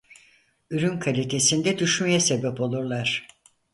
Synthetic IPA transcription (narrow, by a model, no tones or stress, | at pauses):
yɾynkʰalʲit̪ʰe̞sind̪ɛd̪yʃmajase̞bɛpo̞lˠuɾlˠaɾ̥